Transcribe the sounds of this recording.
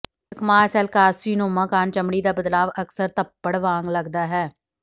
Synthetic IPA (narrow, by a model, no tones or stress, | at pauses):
əkmaːsɛːlkaːsiːnõːmãːkaːnt͡ʃəmɽiːd̪aːbəd̪laːʋəksəɾt̪əpːəɽʋaːŋɡləɡd̪aːɦɛː